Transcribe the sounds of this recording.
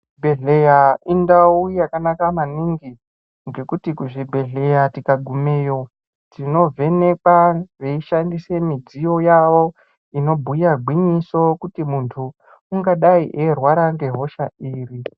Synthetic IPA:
bʱeɮejaindaujakanakamaniŋɡi | ŋɡe̞kutikuʐibʱe̞ɮe̞jatikaɡʱumeːjo̞ | tino̞vʱe̞ne̞kwareiʃandise̞mid͡zijo̞jaʋo | ino̞bʱujarɡʱwiɲiso̞kutimuntʰuː | ŋɡaɗaiʔerwaɾaŋɡe̞ɦo̞ʃaiːri

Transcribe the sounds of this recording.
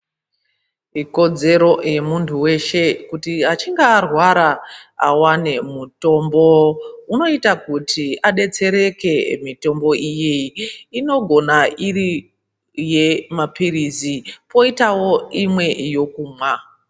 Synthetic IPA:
iko̞d͡ze̞ɾo̞je̞muntʰuwe̞ʃe̞kutiat͡ʃiŋɡaːrwaɾaa̰wane̞muto̞mbo̞uno̞itakutiaɗe̞t͡se̞ɾe̞ke̞mito̞mbo̞ʔijeino̞ɡʱo̞nairi | je̞mapiɾizipo̞itawo̞imwe̞jo̞kumwa

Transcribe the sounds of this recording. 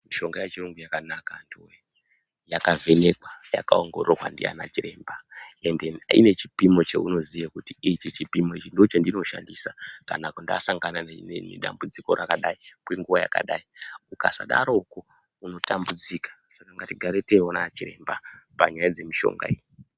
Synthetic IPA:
miʃo̞ŋɡajet͡ʃiroŋɡujakanakandiwe | jakave̞ne̞kwaja̰kaoŋɡo̞̰owa̰ndḭa̰nat͡ʃiɾe̞ːmbae̞ndenaine̞t͡ʃi̥pimo̞t͡ʃḛuno̞zijakutiit͡ʃet͡ʃipimo̞it͡ʃindo̞t͡ʃendinoʃa̰ndisakanakundaːsaŋɡanannenḛɗa̰mbud͡ziko̰ɾakaɗaikweŋɡuʋaja̰ka̰ɗaiukasa̰ɗa̰ɾouku | uno̞tambud͡zikḁsakaŋɡatiɡʱaɾeteonat͡ʃire̞̰mbapaɲajad͡ze̞miʃo̞̰ŋɡa̰iji

